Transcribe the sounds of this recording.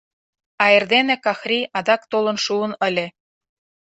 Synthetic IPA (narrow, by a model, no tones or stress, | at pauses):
ɑerd̪enĕkɑxrʲiɑd̪ɑkt̪olɤ̆nʃuənə̆lʲĕ